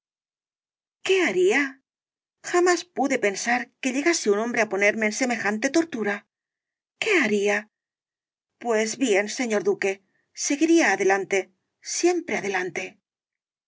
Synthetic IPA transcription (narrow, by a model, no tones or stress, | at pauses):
ke̞aɾia | xamaspuðe̞pe̞nsaɾke̞ʎe̞ɣaseunõ̞mbɾe̞apo̞ne̞ɾme̞ːnse̞me̞xant̪e̞t̪o̞ɾt̪uɾa | ke̞aɾia | pwe̞zβje̞nse̞ɲo̞ɾðuke̞ | se̞ɣiɾiaːðe̞lant̪e̞ | sje̞mpɾe̞aðe̞lant̪e̞